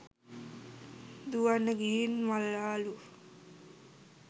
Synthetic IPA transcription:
d̪uʋanːəɡiːnmalːaːlu

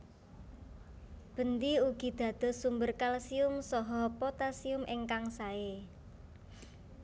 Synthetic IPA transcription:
b̥ə̤nd̪iuɡ̥i̤d̪̥ä̤d̪̥ɔ̤sumbərkalsiʊmsɔɦɔpɔt̪asiʊmʔeŋkaŋsae

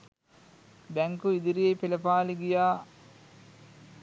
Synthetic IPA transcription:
bæŋkuid̪iɾijejpelɐpaːliɡijaː

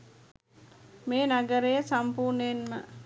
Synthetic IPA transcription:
meːnaɡəɾejəsampuːɾnenmə

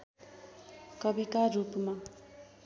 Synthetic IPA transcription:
kʌbikaɾupma

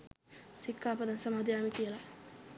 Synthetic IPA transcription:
sikːaːpəd̪ansamaːd̪ijaːmik̪ijəla

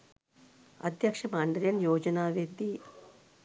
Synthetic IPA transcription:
ɐ̰d̪ʱjɐkʂɐmaːɳɖɐɾjɐnjoːd͡ʒɐnaːʋid̪i

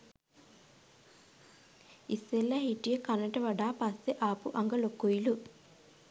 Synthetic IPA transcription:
iselːɐhiʈijɐkɐnɐʈɐʋɐɖaːpɐsːeʔaːpuʔɐŋɡɐlokːojilu

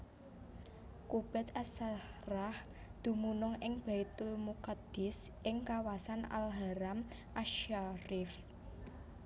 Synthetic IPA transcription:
kub̥ɛ̤t̪asarah | d̪̥ṳmunʊŋɪŋb̥a̤it̪ʊlmukad̪̥ɪ̤s | ʔɪŋkawasana̰lɦaɾam | ʔaʃaɾɪf

